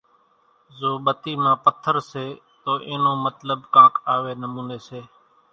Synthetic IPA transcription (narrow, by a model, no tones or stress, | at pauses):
zoːɓət̪iːmãːpət̪ʰːəɾseː | t̪oːʔeːnoːmət̪ləɓkãːkʰaːʋeːnəmũːneːseː